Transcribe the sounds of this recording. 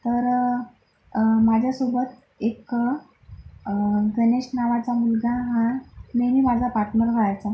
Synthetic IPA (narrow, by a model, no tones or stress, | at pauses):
t̪əɾ | mad͡ʑʱjasobət̪ | ek | ɡəneɕnaʋat͡samulɡaɦãnemiːmad͡zʱapaɾʈʰnəɾɡʱəɭajt͡sa